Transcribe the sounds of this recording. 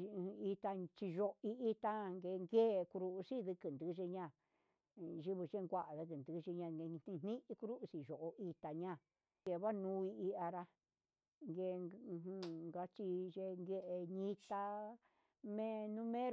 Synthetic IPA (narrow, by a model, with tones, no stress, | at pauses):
i˧t̪a˧t͡ʃi˧ʒo˧ʔi˧i˧t̪a˦ŋɡe˧ŋɡe˦˧ku˧ɾu˧u˧si˦ðɨ˧kɨ˨nd̪ɨ˧˦ʒi˧ɲã˦˧˨ | ʒi˧˦βu˧ʒe˦ŋɡʷa˦ʔa˨ðɨ˧kɨ˨nd̪ɨ˧ʒi˧ɲã˧ɡe˧nĩ˧nnĩ˦ʔi˧ku˧˦ɾu˦ʔsi˧ʒo˨ʔo˧ʔi˧t̪a˧ɲã˦˧˨ | ɡe˧βa˦nũ˧˦i˧i˧a˧ɾa˧ | ŋɡe˧ɦũ˧ŋɡa˧t͡ʃi˧ʒe˧ŋɡe˧ʔe˧ɲĩ˧t̪a˧ | mẽ˦nũ˦mẽ˦ɾ